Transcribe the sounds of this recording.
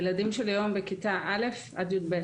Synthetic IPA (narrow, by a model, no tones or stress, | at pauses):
eladimʃelajo̞mbekit̪aʔale̞f | a̰d̪jud̪̚be